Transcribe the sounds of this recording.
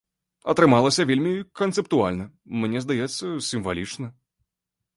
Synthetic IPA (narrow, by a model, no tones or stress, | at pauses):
ɐt̪ɾɨmalˠɐsʲɐvʲelʲmʲikɐnt̪sɨpt̪ualʲnɐ | mnʲɛzd̪ajɛt̪sːɐsʲimvalʲit͡ʂnɐ